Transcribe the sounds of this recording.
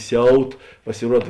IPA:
ˈsʲɛʊt pɐsʲɪˈruɔt

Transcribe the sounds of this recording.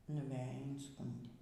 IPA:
nʊˈʋʲæːjɪ ɪnˈskʊnʲdʲeː

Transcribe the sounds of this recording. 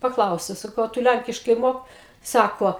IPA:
pɐˈklˠɐʊsʲɛʊ sɐˈkɐʊ ɐ ˈtʊ ˈlʲæŋʲkʲɪʃkɐɪ ˈmoːk ˈsɑːkoː

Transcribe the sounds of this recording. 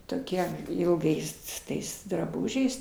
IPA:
toːˈkʲiɛ ɪlˠˈɡɐɪs s ˈtɐɪs drɐˈbʊʒʲɛɪs

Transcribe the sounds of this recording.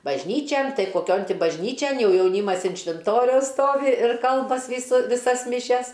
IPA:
bɐʒʲˈnʲiːt͡ʃʲɛn ˈtɐɪ koːˈkʲoːn ˈtʲɪ bɐʒʲˈnʲiːt͡ʃʲɛn ˈjɛʊ jɛʊˈnʲiːmɐs ɪn ʃʲʋʲɪnˈtoːrʲɛʊs ˈstoːʋʲɪ ɪr ˈkɐlˠbɐsʲ ˈʋʲiːsʊ ʋʲɪˈsɐs mʲɪˈʃʲɛs

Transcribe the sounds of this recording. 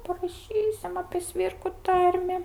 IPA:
pɐrɐˈʃʲiːsʲɪm ɐpʲeː ˈsʲʋʲɪrkʊ ˈtɐrʲmʲɪ

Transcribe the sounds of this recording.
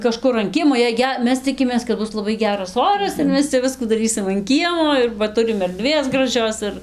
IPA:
kɐˈʃkʊr ɐn ˈkʲiɛmoː jɛɪ ˈɡʲɛ ˈmʲɛs ˈt͡sʲɪkʲɪmʲeːs kɐt ˈbʊs lˠɐˈbɐɪ ˈɡʲæːrɐs ˈoːrɐs ɪr ˈmʲɛs t͡sʲɛ ˈʋʲɪskuː dɐˈrʲiːsʲɪm ɐn ˈkʲiɛmoː ɪr ʋɐ ˈtʊrʲɪm ɛrʲˈdʲʋʲeːs ɡrɐˈʒʲoːs ɪr

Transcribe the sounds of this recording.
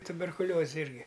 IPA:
tʊbʲɛrkʊˈlʲoːzʲɛ ˈɪrʲɡʲɪ

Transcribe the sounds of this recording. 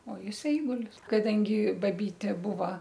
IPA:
oː ˈjɪs ˈɛɪɡʊlʲɪs kɐˈdɐŋʲɡʲɪ ˈbɑːˈbʲiːtʲeː ˈbʊʋɐ

